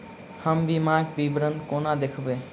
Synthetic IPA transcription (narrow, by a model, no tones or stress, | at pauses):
həmbimaɡbibɾənd̪konad̪ekʰbe